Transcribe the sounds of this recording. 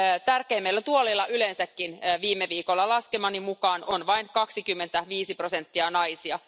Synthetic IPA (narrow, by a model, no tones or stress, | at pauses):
t̪ærkeimːelːæt̪uolːˑilːɑʔylensækːinːʋiːmːeʋiːkolːɑlɑskemɑnimukɑːnonʋɑiŋkɑksikymːent̪æʋiːsiprosent̪ːiɑnɑisiɑ